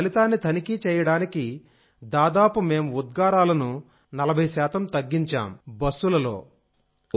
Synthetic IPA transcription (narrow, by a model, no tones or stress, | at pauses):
ɐlit̪aːnːit̪ʰɐnikit͡ʃɛːjɐɽaːniki | d̪aːd̪aːpume̞ːmud̪̚ɡaːɾaːlɐnu | nɐlɐbʱɐjɐʃɛːt̪ɐmt̪ɐɡːiɲt͡ʃa̰ːmbɐsːulɐlo̞̰ː